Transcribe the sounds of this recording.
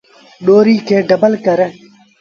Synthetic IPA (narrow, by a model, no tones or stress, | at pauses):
ɗoːɾiːkʰeːɖəbəlkəɾe